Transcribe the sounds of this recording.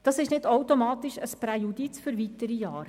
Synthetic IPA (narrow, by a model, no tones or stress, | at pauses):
d̥ɑsɪʃnɪdowtomɑːt̪iʃəspɾɛjudit͡sfʏɾʋitəɾijɑːɾ